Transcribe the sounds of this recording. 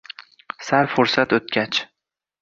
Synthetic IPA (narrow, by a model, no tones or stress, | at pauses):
saɾfoɾsat̪ɵt̪̚kʲʰat͡ʃ